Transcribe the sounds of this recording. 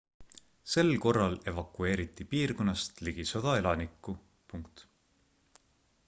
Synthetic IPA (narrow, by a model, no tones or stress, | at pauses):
se̞lko̞rːɑle̞vɑkːue̞ːɾit̪ːˑipiːrko̞nːɑst̪liɡ̥iso̞d̪̥ɑe̞lɑnikːˑu | puŋkt̪